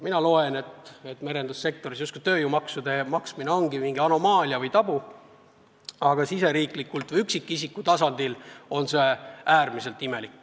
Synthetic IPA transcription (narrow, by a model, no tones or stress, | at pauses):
minɑlo̞e̞ne̞t̪e̞t̪ːme̞ɾe̞nd̪̥usːe̞k̚t̪o̞ɾis̬just̪kut̪ø̞ːjumɑksud̪e̞mɑksmine̞o̞ŋɡimiŋɡ̥iɑno̞mɑːliɑvɯjt̪ɑb̥u | ɑɡ̥ɑsise̞ɾiːklikːult̪vɨjyksikːˑisikːˑut̪ɑsɑnd̪ilo̞nse̞æːrmise̞lt̪ːime̞likːˑ